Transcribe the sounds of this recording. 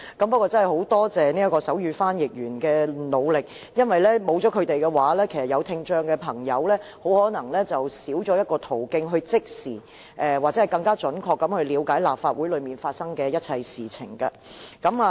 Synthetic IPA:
kɐ˨˥mpɐ˥t̚kɔː˧t͡sɐ˥nɦho˨˥wt̪ɔː˥t͡sɛː˨ni˥ɐ˥tkɔː˧sɐ˨˥wjyː˨˧faː˥njɪ˨k̚jyː˨˩nkɛː˧lo˨˧wlɪ˨k̚ | jɐ˥nwɐ˨jlɛː˥mo˨˧wt͡sɔː˨˥kʰɵ˨˧ɥt̪e˨jkɛ˧waː˨˥lɛː˥kʰe˨˩jsɐ˨˩jɐ˨˧wt̪ʰɪ˧ŋt͡ʃœː˧ŋkɛ˧pʰɐ˨˩ŋjɐ˨˧wlɛː˥ho˨˥whɔː˨˥nɐ˨˩ŋlɛː˥t͡sɐ˨wsiː˨˥wt͡ʃɔː˨˥jɐ˥t̚kɔː˧t̪ʰo˨˩wkɪ˧ŋɦɵ˧ɥt͡sɪ˥k̚siː˨˩ | ʔɛ˨waː˨˩t͡sɛ˨˥˨jkɐ˧ŋkaː˥t͡ʃɵ˨˥nkʰɔː˧kːɐ˨˥mhɵ˧ɥliː˨˧wkaː˨˥jlaː˨p̚faː˧t̚wuː˨˥lɵ˨˧ɥmiː˨˩nfaː˧t̚sɐ˥ŋkɛː˧jɐ˥t̚t͡sʰɐ˧jsiː˨t͡sʰɪ˨˩ŋkɐ˧ | kɐ˨˥ma˧

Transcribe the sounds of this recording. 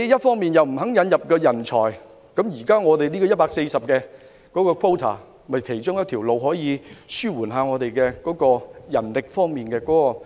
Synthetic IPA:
jɐ˥t̚fɔː˥ŋmiː˨njɐ˨wm̩˨˩ɦɐ˨˥ŋjɐ˨˧˥njɐ˨p̚kɔː˧jɐ˨˩nt͡ʃʰɔː˨˩j | kɐ˨˥mjiː˨˩kaː˥ŋɔː˨˧d̪e˨jliː˥kɔː˧jɐ˥t̚paː˧kse˧jsɐ˨p̚kɛː˧ | kɔː˨˥kɔː˧kʰo˥wt̪ʰa̰˨˩ | mɐ˨˩jkʰe˨˩jt͡ʃʊ˥ŋjɐ˥t̪ʰiː˨˩wlo˨wɦɔː˨˥jiː˨˧syː˥wuː˨˩nɦaː˨˧ŋɔː˨˧d̪e˨jkɛː˧kɔː˨˥kɔː˧jɐ˨˩nlɪ˨k̚fɔː˥ŋmiː˨nkɛː˧kɔ˨˥kɔː˧

